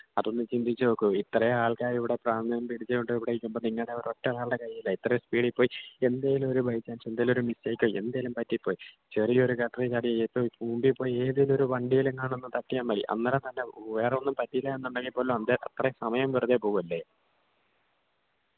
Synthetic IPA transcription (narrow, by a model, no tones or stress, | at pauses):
ɐðo̞nːɨt͡ɕind̪it͡ɕːɨokːuit̪rɐjeaːɭkaːjiʋiɽe̞praːmɐjɐmpiɽit͡ɕːɨoɳɖɨiʋiɽeikʲːumbo̞ːniŋːɐɭɽeɐɾoʈːɐlaːɭːɐkɐjilːait̪rɐjespiːɽipːo̞ːjie̞nd̪aːjilumo̞ɾubʱɐjit͡ɕːaːnsend̪ɐjloɾumisːɐːikʲːojend̪ajɐlumpɐtːipːo̞ːji | t͡ɕɐrio̞ɾukɐt̪ːrɐt͡ɕaːɽijɐjepːoːjibuːmbipːo̞ːjie̞ːðilo̞ɾuʋɐɳɖijilenːaːɳonːɨt̪ɐʈːijaːnʋɐɭḭʔɐ̰nːɐɾɐnt̪ɐnːe̞ʋeːreonːumpɐtːiilːaenːɐɳɖɐŋɡipːo̞ːlomɐnd̪eʔɐt̪rɐjesɐmɐjɐmʋirɐðepoːɣumɐlːe